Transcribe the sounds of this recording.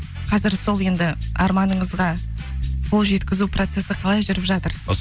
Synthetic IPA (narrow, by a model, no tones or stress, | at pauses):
qʰɑzɪɾso̞lˠje̞nd̪ɪɑ̰ɾmɑnəɴəzʁɑ | bʊlˠʒe̞t̪kʲɪzupro̞t̪se̞sɪqʰɑlˠɑjʒʏɾɪpʒɑt̪əɾ